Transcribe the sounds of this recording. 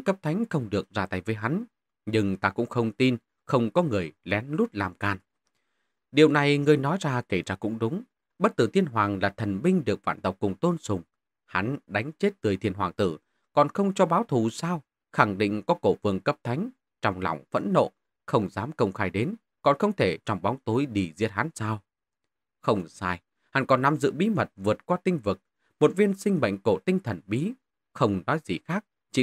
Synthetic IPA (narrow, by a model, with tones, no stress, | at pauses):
kə˦˥p̚t̪ʰa˨˦jŋ̟xə˧wŋ͡mɗɨ˨˩ək̚zaː˧t̪a˧˩jvəː˨˦jɦa˨˦n | ɲɨ˧ŋt̪aː˧kʊ̰˧˥ŋ͡mxə˧wŋ͡mt̪i˧n | xə˧wŋ͡mkɔ˨˦ŋɨ˨˩əjlɛ˨˦nlu˦˥t̚laː˨˩mkaː˨˩n | ɗi˨˩əwna˨˩jŋɨ˨˩əjnɔ˨˦jzaː˧ke˧˩zaː˧kʊ̰˧˥ŋ͡mɗʊ˨˦ŋ͡m | ɓə˦˥t̚t̪ɨ˧˩t̪ʰi˧ənɦwaː˨˩ŋlaː˨˩t̪ʰə˨˩nmï˧ŋ̟ɗɨ˨˩ək̚va̰ː˧˩nt̪ə˨˩wk͡p̚kʊ˨˩ŋ͡mt̪o˧nsʊ˨˩ŋ͡m | ha˨˦nɗa˨˦jŋ̟t͡ɕe˦˥t̚t̪ɨ˨˩əjt̪ʰi˧ənhwaː˨˩ŋt̪ɨ˧˩ | kɔ˨˩nxə˧wŋ͡mt͡ɕɔ˧ɓaː˨˦wt̪ʰu˧˩saː˧w | xa˧˩ŋɗḭ˧˨ŋ̟kɔ˨˦ko˧˩fɨ˨˧˩əŋkə˦˥p̚t̪ʰa˨˦jŋ̟ | t͡ɕɔ˧wŋ͡mlɔ̰˧˩wŋ͡mfə̰˧˥nːo̰˧˨ | xə˧wŋ͡mzaː˨˦mkə˧wŋ͡mxaː˧jɗe˨˦n | kɔ̰˨˩nxə˧wŋ͡mt̪ʰe˧˩t͡ɕɔ˧wŋ͡mɓɔ˨˦wŋ͡mt̪o˨˦jɗi˧˨˩zḭ˧˥ət̚ha˨˦nsaː˧w | xə˧wŋ͡msaː˧j | ha˨˦nkɔ˨˩nːa˨mzɨ̰˧˨ɓi˨˦mə˨˩t̚vɨ˨˩ət̚kwaː˧t̪ï˧ŋ̟vɨ˨˩k̚ | mo˨˩t̚vi˧ənsï˧ŋ̟ɓə̰˧˨jŋ̟ko˧˩t̪ï˧ŋ̟t̪ʰə˨˩nɓi˨˦ | xə˧wŋ͡mnɔ˨˦jzḭ˨˩xaː˦˥k̚ | t͡ɕḭ˧˨